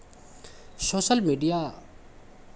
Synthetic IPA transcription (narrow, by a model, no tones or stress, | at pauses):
soːsəlmiːɖija